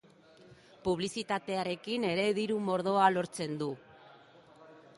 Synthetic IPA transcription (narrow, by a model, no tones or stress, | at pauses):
puβ̞lisit̪at̪e̞aɾe̞kine̞ɾe̞ðiɾumo̞ɾð̞o̞alo̞ɾt͡se̞nd̪u